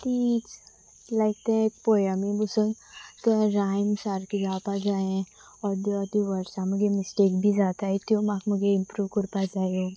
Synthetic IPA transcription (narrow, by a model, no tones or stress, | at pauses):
t̪it͡s | lajk̚t̪ẽk̚pojamibusənt̪əɾajmsaɾkiɾaːpad͡zaẽ | ɔɾd̪ɔd̪iʋəɾsãməɡemisʈeːkbʱid͡zat̪ait̪jumakməɡeimpɾuːʋkuɾpad͡zajo